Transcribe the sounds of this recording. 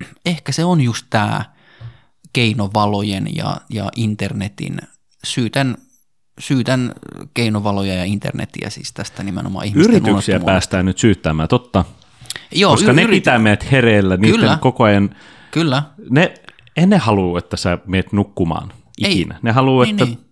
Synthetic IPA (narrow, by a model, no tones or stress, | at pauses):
ehkæseonjust̪t̪æ̰ː | keinoʋɑlojenjɑ̰jɑ̰ʔint̪ernet̪ḭn | syːt̪æn | syːt̪ænkeinoʋɑlojɑjɑint̪ḛrnḛt̪ḭæ̰sḭːst̪æst̪ænimḛno̰mɑ̰ːihiysrint̪yksiæpæːst̪æːnnyt̪syːt̪ːæmæːt̪ot̪ːɑ | joːoskɑnepit̪æmeæt̪hereːlːæniːylenkokoɑjɑn | kylːæne | enːehɑluːet̪ːæsæmeːt̪nukːumɑ̰ːn | ʔiinæ̰nehɑluːetːæ